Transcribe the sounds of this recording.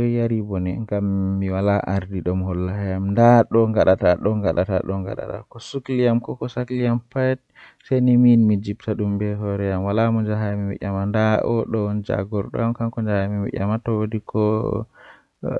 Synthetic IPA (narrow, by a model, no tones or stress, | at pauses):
jaɾibɔnɛ̰ŋɡamːiwalaʔaɾdiɗɔmhɔlːahajamndaɗɔŋɡaɗataɗɔŋɡaɗa̰ta̰ɗɔŋɡa̰ɗa̰ta̰kɔsuklijamkɔkɔsaklijampajɛt̚ | saniminmid͡ʒibtaɗumbɛɦɔɾɛjamwalamɔnd͡ʒaɦajamiwɛ̰ʔʲamandaʔɔ̰ɗɔnd͡ʒa̰ɡɔɾɗɔ̰amkaŋkɔnd͡ʒahamiwɛ̰ʔʲa̰matɔwodikʰɔ